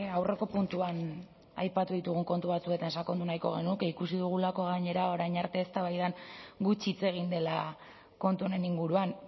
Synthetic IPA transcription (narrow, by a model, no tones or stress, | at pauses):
awre̞ko̞punt̪uan | a̰jpat̪uðit̪uɣuŋko̞nt̪uβat͡sue̞t̪ansakond̪unajko̞ɣe̞nukikusiðuɣ̞ulako̞ɣ̞aɲe̞ɾao̞ɾajɲaɾt̪e̞ːst̪aβajðanɡut͡ʃit͡se̞ɣ̞ind̪e̞la | ko̞nt̪uoɾe̞niŋɡuɾuan